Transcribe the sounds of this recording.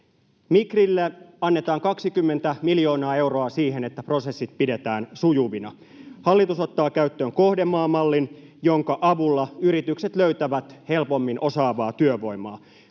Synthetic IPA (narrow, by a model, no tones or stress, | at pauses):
mikrilːeɑnːet̪ɑːŋkɑksikymːent̪æmiljo̞ːnɑːe̞wro̞ɑsiːhe̞net̪ːæpro̞se̞sːit̪̚pide̞t̪æːnsujuʋinɑ | hɑlːit̪uso̞t̪ːɑːkæyt̪ːøːŋko̞hde̞mːɑːmːɑlːinjo̞ŋkɑʔɑʋulːɑyɾit̪ykse̞t̪løyɥt̪æʋæt̪helpo̞mːinʔo̞sɑːʋɑːt̪yøʋo̞jmɑ̰ː